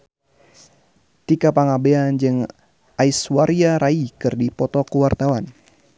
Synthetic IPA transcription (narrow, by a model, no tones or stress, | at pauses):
t̪ikapaŋabeand͡ʒɨŋ | aiswaɾiaɾaikɨrdipɔt̪ɔkəwart̪awan